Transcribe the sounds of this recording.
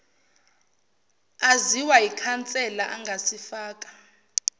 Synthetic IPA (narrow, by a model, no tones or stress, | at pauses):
aziwajikʰant͡sʼɛlaʔaŋɡʱasifaːk̬ʼḁ